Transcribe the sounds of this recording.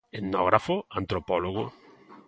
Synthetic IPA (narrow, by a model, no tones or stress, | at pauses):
enɔɣɾafoant̪ɾopɔloɣʊ